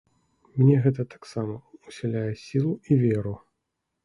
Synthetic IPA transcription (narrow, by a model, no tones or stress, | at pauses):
mnʲɛɣɛt̪ɐt̪ḁksamɐusʲɛlʲajɛsʲilˠuivʲeɾu